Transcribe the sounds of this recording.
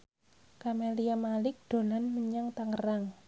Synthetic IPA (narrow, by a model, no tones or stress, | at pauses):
kameliamalɪk̚d̪̥o̤lanməɲaŋt̪aŋəraŋ